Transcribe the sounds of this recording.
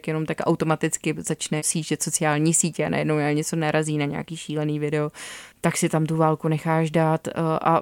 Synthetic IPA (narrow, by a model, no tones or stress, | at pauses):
kjɛno̞mt̪akʔa̰wt̪o̞mat̪ɪt͡skɪzat͡ʃnɛsiːʒʒɛso̞t͡sɪaːlɲiːsiːcɛa̰nʔa̰jɛdnowjaɲɛt͡so̞naɾʔaziːnaɲɛ̰a̰kiːʃiːlɛniːvɪdɛot̪aksɪt̪amt̪uvaːlkunɛxaːʒdaːt̪ʔa̰